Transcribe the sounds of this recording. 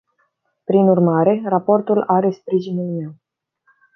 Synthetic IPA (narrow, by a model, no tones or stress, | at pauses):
pɾinurmaɾe̞rapo̞rt̪ulaɾe̞spɾiʒinulme̞w